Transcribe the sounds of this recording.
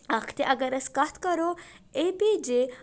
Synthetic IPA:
ɐkʰt̪eʔɐɡəɾɐskɐt̪ʰkɐɾoeped͡ʒe

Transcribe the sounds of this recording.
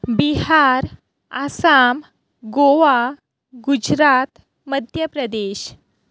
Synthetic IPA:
biɦaɾ | asam | ɡoʋa | ɡud͡ʑɾat̪ | məd̪ʱjəpɾəd̪eɕ

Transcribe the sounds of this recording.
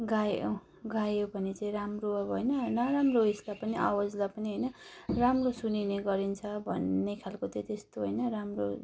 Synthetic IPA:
ɡajo̰ | ɡajobʱʌnit͡saĩɾamroabɦojnʌnʌɾamroeslapʌniʔa̰wʌd͡zlapʌniɦʌjnʌramrosunineɡʌɾint͡sʰʌbʱʌnːekʰalkot̪ʌt̪est̪oɦojnʌramro

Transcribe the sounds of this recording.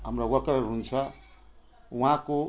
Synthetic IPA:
ɦəmɾawʌkɾɦunt͡sʰʌ | wɦãko

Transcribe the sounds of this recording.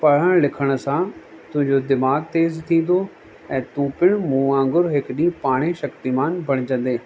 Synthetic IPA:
pɐɽ̤əɽ̃lɪkʰəɽ̃̆sã | t̪ʊ̃ɦɪ̃ɲd͡ʑod̪ɪmaːɡ̚t̪eːzt̪ʰĩːn̆d̪o | ɛ̃ːt̪ũːpɪɽ̃mũãːŋɡʊɾɦɪkɗĩpaːɽ̃eʃɐkt̪imaːnbʱɐɽ̃ɪd͡ʑə̃n̆d̪eː

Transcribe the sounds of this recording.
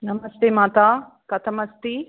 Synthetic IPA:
nɐmɐst̪eːmaːt̪aː | kɐt̪ʰɐmɐst̪i

